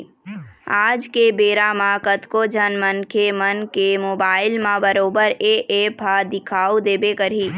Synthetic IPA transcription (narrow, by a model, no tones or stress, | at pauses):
aːd͡ʒkebeːɾamãkət̪kod͡ʒʱənmənkʰemənkemoːbaːɪlmãbəɾoːbəɾeʔepʰad̪ɪkʰaːud̪eːbekəɾiː